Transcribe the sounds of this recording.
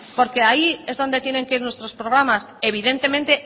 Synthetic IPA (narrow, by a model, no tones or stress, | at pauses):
po̞ɾke̞aie̞zðo̞nd̪e̞t̪je̞ne̞ŋke̞iɾnwest̪ɾo̞spɾo̞ɣ̞ɾamas | e̞β̞iðe̞nt̪e̞mẽ̞nt̪e̞